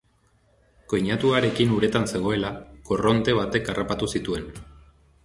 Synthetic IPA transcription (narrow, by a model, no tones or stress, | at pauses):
ko̞jɲat̪uaɾe̞kinuɾe̞t̪anse̞ɣ̞o̞e̞lakoro̞nt̪e̞β̞at̪e̞karapat̪usit̪ue̞n